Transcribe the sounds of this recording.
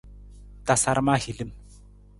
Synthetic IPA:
t̪a˨sa˦ɾma˦hi˨li˦m

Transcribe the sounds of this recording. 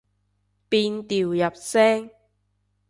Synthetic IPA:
piː˧nt̪iː˨wjɐ˨p̚sɛː˥ŋ

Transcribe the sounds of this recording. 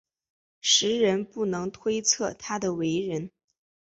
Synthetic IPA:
ʂɻ̩˧˥ɻə˧˥npu˥˩nɤ˧˥ŋt̪ʰwe˥ɪt͡sʰɤ˥˩t̪ʰa˥d̪ə˨we˧˥ɪɻə˧˥n

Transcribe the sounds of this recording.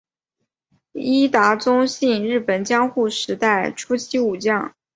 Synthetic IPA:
i˥t̪a˧˥t͡sʊ˥ŋɕi˥˧nɻɻ̩˥˩pə˨˩nt͡ɕjɑ˥ŋxu˥˩ʂɻ̩˧˥t̪a˥˩ɪʈ͡ʂʰu˥t͡ɕʰi˥u˨˩t͡ɕjɑ˥˩ŋ

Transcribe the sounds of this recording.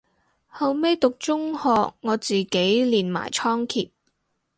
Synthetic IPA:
hɐ˨˧wme˥jt̪ʊ˨k̚t͡ʃʊ˥ŋhɔː˨˧k̚ŋɔː˨˧t͡siː˨ke˨˥jliː˨nma̰ː˨˩jt͡ʃʰɔː˥ŋkʰiː˨p̚

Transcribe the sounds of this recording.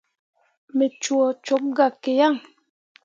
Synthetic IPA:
me˨t͡ʃwɔ˨t͡ʃo˨˦p̚ɡa˨ke˨ja˦˨ŋ

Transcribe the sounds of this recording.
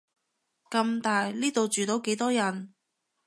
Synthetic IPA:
kɐ˧mt̪aː˨jliː˥t̪o˨wt͡ʃyː˨˩t̪o˨˥wke˨˥jt̪ɔː˥jɐ˨˩n

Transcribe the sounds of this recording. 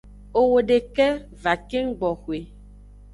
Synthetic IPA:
o˨wo˨ɖe˨kɛ˦ | va˨ke˦ŋ̩˦ɡ͡bɔ˨xwe˨

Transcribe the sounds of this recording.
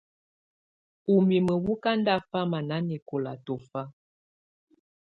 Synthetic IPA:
u˨mi˨mə˨wu˦ka˦n˦da˦˨fa˦ma˨na˨˦ni˨ko˨la̰˨tɔ˨fa˦

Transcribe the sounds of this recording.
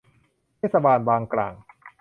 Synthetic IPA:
eː˦˥˩t̪̚sa˧baː˧nbaː˧ŋkla̰ː˨˩ŋ

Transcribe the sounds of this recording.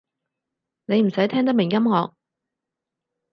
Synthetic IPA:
ne˨˧jm̩˨˩sɐ˨˥jt̪ʰɛː˥ŋt̪̬ɐ˥k̚mɪ˨˩ŋjkɐ˥mŋɔː˨˧k̚

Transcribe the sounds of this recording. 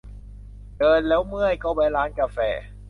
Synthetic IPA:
dɤː˧nlɛː˦˥wmɯ˥˩əjkɔː˥˩wpa˧jlaː˦˧˥nka˧fɛ̰ː˨˩

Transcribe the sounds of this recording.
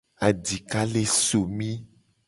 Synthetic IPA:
a˨di˨ka˦le˦so˨mĩ˦

